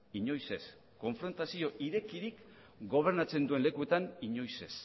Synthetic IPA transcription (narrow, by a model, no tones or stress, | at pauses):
iɲo̞jse̞s | ko̞ɱfɾo̞nt̪asio̞ʔiɾe̞kiɾik | ɡo̞β̞e̞ɾnat͡se̞nd̪ue̞nle̞kue̞t̪aniɲo̞jse̞s